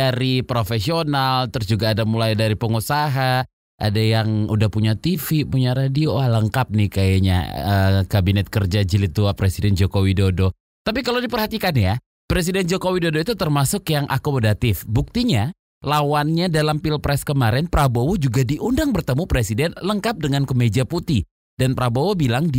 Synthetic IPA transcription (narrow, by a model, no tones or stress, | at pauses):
aɾipɾofesionalt̪əɾʊsd͡ʒuɡaːdamulajdaɾipəŋusaɦa | ʔa̰dajaŋudahpuɲat̪ifipuɲaɾadioaləŋkap̚nɪhkajaɲa̰əkabinɛt̪̚kərd͡ʒad͡ʒilit̪uapɾesidɛnd͡ʒokowidodo | t̪ap̬ikalowdipərhat̪ikanja | pɾes̬idɛnd͡ʒokowidodoit̪ut̪ərmasʊkjaŋʔakomodat̪ɪfbuk̚t̪iɲa | lawanɲadalampilpɾɛskəmaɾɛnpɾabowod͡ʒuɡadiʔundaŋbərt̪əmupɾesidɛnləŋkap̚dəŋankəmed͡ʒaput̪i | danpɾabowobilaŋd